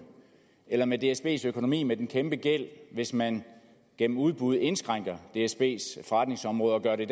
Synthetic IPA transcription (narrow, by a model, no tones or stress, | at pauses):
elɐmed̥e̝esb̥e̝̰ːsøkʰo̝no̝mḭːmed̥enkʰemb̥əɡ̥el̰ʋe̝smæn | ɡ̥en̰m̩uð̞ˠb̥uð̞̩ˠe̝nsɡ̥ʁɑ̈ŋ̰ɡ̥ɐd̥e̝esb̥e̝̰ːsfɒʁɑ̈d̥ne̝ŋsɒ̽mʁɔ̽ːð̞ˠɒ̽ɡ̥ɶɐɾe̝id